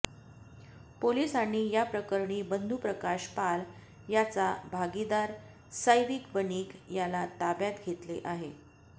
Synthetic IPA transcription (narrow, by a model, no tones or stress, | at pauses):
polisaɽ̃ijapɾəkəɾɳiːbənd̪ʱupɾəkaɕpal | jat͡sabʱaɡid̪aɾ | səjʋikbəniːkjalat̪abjat̪ɡʱet̪lḛʔaɦe